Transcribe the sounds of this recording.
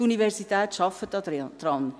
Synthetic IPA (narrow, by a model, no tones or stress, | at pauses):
univɛɾsitɛːtʃɑfətːɑd̪ɾɑn